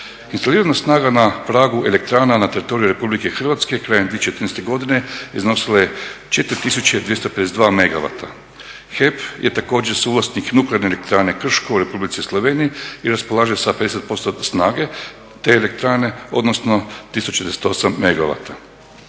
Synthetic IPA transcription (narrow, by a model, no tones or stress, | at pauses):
inst̪aliːɾanasnaːɡanapɾaːɡuʔe̞le̞k̚t̪ɾaːnanat̪e̞ɾit̪o̞ɾiuɾe̞publike̞xr̩ʋat̪ske̞kɾaːjemd̪jiet͡ɕːt͡ʃet̪ɾnest̪e̞ɡo̞d̪ine̞izno̞silajet͡ʃe̞t̪ɾit̪isut͡ɕed̪ʋje̞st̪ope̞d̪s̬ed̪ʋaːme̞ɡaʋa̰t̪ʰa | xepjʔet̪ako̞ːd͡ʑeɾsuːʋlˠasniknukleaɾnele̞kt̪ɾaːnekr̩ʃkoʋoɾe̞publit̪sislˠo̞ʋeːnijiiɾaspo̞lˠaːʒjesaped̪e̞set̪̚po̞st̪osnaːɡe̞ | t̪e̞ːle̞k̚t̪ɾaːne̞o̞̰d̪nosno̞t̪isut͡ʃed̪eset̪o̞samːeɡaʋa̰t̪ʰa